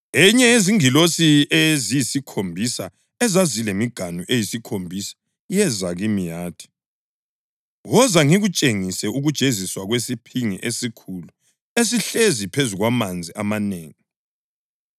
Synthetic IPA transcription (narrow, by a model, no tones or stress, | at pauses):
ɛɲɛeziŋilosiezijisikʰombʱisa | ɛzazilemiɡ̥ʱanuʔejisikʰombʱisḁ | jɛzaɣimijaːtʰi̥ | ɣɔzaŋiɣut͡ʃʼeŋisɛʔuɣud̥ʒ̥ʱeziswaɣwesipʰiŋḭʔesikʰulu | es̬iɬezipʰezuɣwamand͡zʱiʔamaneːŋi